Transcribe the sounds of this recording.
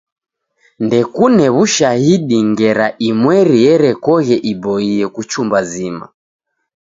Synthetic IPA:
ndɛkunɛβuʃahiɗiŋɡɛɾaʔimwɛɾijɛɾɛkɔɣɛʔibɔiɛkut͡ʃumbazima̰

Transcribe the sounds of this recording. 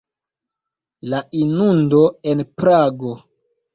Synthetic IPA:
laʔinundo̞enpɾaɡo̞

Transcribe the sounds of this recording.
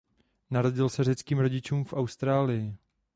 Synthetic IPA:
naɾo̞ɟɪlsɛr̝ɛt͡skiːmɾo̞ɟɪt͡ʃuːmfʔawst̪ɾaːlɪjɪ

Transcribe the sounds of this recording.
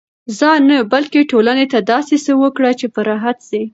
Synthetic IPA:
zɑnəbalkeʈolanet̪ad̪ɑsesəwəkɽat͡ʃepəɾɑɦat̪si

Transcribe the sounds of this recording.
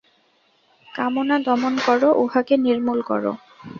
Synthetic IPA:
kamonad̪ɔmonkɔɹoʔohakeniɾmulkɔ̰ɹo̰

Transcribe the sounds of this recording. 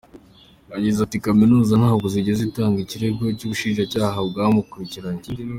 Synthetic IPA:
aɟizatikaminuːzanhaːɡoziɟezitaːŋɡiciɾe̞ɡo̞cuβuʃiːnʒacaːɦabɡaːmukuɾiciɾaɲe

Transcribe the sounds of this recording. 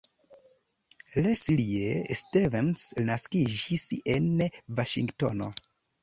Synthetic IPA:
lesiliestevensnaskid͡ʒisenvaʃḭŋɡto̞̰no̞̰

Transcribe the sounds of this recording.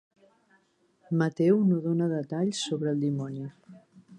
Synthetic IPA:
mət̪ɛwnoðonəðət̪aʎsoβɾəːlˠd̪imɔni

